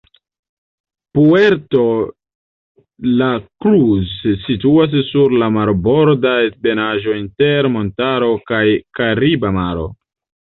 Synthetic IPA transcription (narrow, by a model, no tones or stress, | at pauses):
pueɾto̞ | lakɾuzːituas̬ːuɾlamaɾbo̞ɾdaebe̞naʒo̞inte̞ɾmo̞ntaɾo̞kajkaɾibamaɾo̞̰